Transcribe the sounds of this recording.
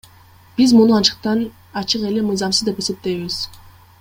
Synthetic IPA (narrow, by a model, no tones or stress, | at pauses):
b̥izmunuɑt͡ʃɯ̥q̚t̪ɑn | ɑt͡ʃɯqe̞lemɯjzɑmsɯzd̪e̞pe̞se̞p̚t̪e̞jβiz̥